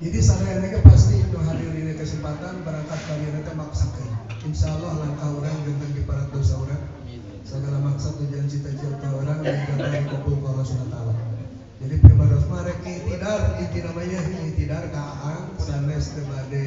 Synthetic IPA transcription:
d͡ʒadisananakapast̪itəŋɦadirdinakəsəmpat̪anbəɾaŋkat̪̚kaɾianak̪amaksakəninʃalːɔhlaŋkauɾankənt̪əŋɡipaɾat̪̚dosauɾan | səɡalamaksat̪̚ːuɲd͡ʒuant͡ʃit̪at͡ʃəlk̪auɾanjaŋkaakɔpukalɔsunat̪ala | d͡ʒadipɾimaɾɔfmaɾakit̪idarit̪inamaɲakit̪idarkaʔaŋsanɛst̪əbadə

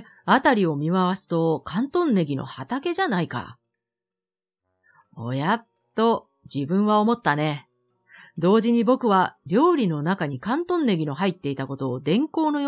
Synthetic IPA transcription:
at̪aɾʲio̞mʲimaβasɨ̥t̪o̞kãnt̪õ̞nːe̞ɡʲino̞̰hat̪ake̞ʑanaika̰ | o̞̰jat̪ːo̞ | d͡ʑibɯ̟̃ɰ̃βao̞mo̞t̪ːane̞ | d̪o̞ːʑiɲ̟ibo̞kɯ̟βaɾʲo̞ːɾʲino̞nakaɲ̟ikãnt̪õ̞nːe̞ɡʲino̞ɦait̪ːe̞it̪ako̞t̪o̞ːd̪ẽ̞ŋko̞ːno̞j

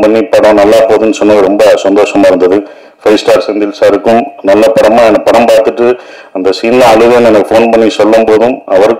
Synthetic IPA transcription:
pɐɳːipːɐɽɐ̃nɐlːaːpoːðɯnːsɔnːɯŋɡɐɾɔmbɐsɐnd̪oːʂɐmaːɪɾɯnd̪ɐðɯ | fɐɪsʈaːɾsɛnd̪ɪlsaɾɯkːɯmnɐlːɐpɐɽɐmaːɛnɐpːɐɽɐmpaːɾt̪ɯʈːɯ | ɐnd̪ɐsiːnlɐɐɭɯɣɯɛnɛnɐkːɯfoːnpɐɳːisɔlːɯmpoːðɯmɐʋɐɾɯkː

